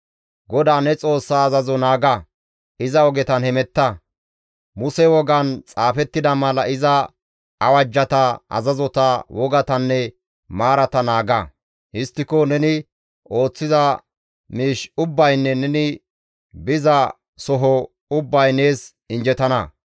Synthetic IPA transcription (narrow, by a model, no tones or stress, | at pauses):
ɡɔd̪aːnɛt͡sʼo̞ːsːaːzɐzɔnaːɡɐ | ɪzɐɔɡɛt̪ɐnhɛmɛt̪ːɐ | mʊsɛwɔɡɐnt͡sʼaːfɛt̪ːɪd̪ɐmɐlɐʔɪzɐ | ɐwɐd͡ʒːɐt̪ɐɐ̰zɐzɔt̪ɐwɔɡɐt̪ɐnːɛ | maːɾɐt̪ɐnaːɡɐ | hɪst̪ːɪkɔnɛnɪ | o̞ːt͡sːɪzɐ | miːʃʊbːɐjnːɛnɛnɪ | bɪzɐ | sɔɦɔ | ʊbːɐjneːs | ɪnd͡ʒɛt̪ɐnɐ